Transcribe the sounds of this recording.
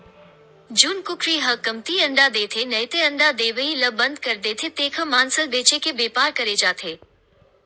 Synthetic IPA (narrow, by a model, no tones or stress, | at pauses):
d͡ʒuːnkʊkʰɾiːɦɐkɐmt̪iəɳɖ̪ad̪eːt̪ʰenɐjt̪eə̃ɳɖ̪ad̪eːʋəiləbənd̪kɐɾd̪eːt̪ʰet̪eːkʰəmaːnsəlbeːt͡ʃekʰebeːpaːɾkɐɾed͡ʒaːt̪ʰeː